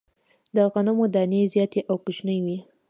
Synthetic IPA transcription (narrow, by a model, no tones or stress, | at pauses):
d̪əɣanamod̪ɑnezjɑt̪eʔawkʊt͡ʃnəjwi